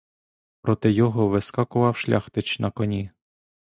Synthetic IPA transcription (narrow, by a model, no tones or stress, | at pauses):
pɾɔt̪ɪjɔɦɔʋɪskɑkʊʋɑwʃlʲaxt̪ɪt͡ʃnʔɐkɔnʲi